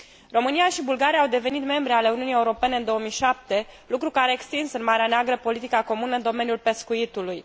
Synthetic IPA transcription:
ro̞mɨnijaʃibulɡaɾijaːwd̪e̞ve̞nit̪me̞mbɾeale̞uniunje̞uɾo̞pe̞ne̞ɨnd̪o̞omijʃap̚t̪e̞lukɾukaɾe̞ːkst̪insɨnmaɾeaneaɡɾəpo̞lit̪ikako̞munəɨnd̪o̞me̞njulpe̞skuit̪uluj

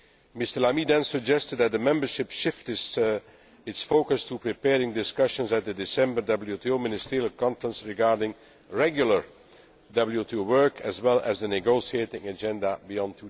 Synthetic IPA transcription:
mɪstə˞lamidɛ̃nsəd͡ʒɛstɨd̚ðæt̚dəmɛ̃mbəɹʃɪpʃɪftɪs | ɪtsfoʊkəstʰupɹipɛːɹɪ̃ŋdɪskʌʃə̃nzɛt̪̚ðədɪsɛ̃mbəɹdʌbl̩ˠjutʰiomɪnɪstɪɹilˠkɑ̃ɱfəɹə̃nsɹɪɡɑːɹdɪ̃ŋ | ɹɛɡjʊlˠə˞ | dʌbl̩ˠjutʰuwɜ˞kʰəzwɛlˠə̰zðənɪɡoʊsietɪ̃ŋəd͡ʒɛ̃ndəbiɔ̃ntʰu

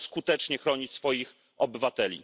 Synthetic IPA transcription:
skut̪ɛt͡ʂɲɛxɾɔɲit͡ɕsfɔjix | ɔbɘvat̪ɛlʲḭ

